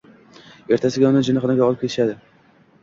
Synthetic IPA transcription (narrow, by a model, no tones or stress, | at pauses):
e̞ɾt̪ʰasɪɡʲaʊnɪd͡ʒɪnɪχɨnɪɡʲaɒlˠɪpkʲʰeɪ̥ʃad̪ɪ